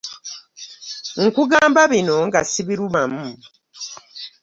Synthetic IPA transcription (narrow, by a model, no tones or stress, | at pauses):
ŋ̩kuɡaːmbaβino̞ŋɡasiβiɾumamuː